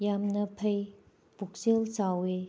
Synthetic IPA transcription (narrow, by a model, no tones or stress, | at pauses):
jamnɐpʰɐj | puk̚selsawe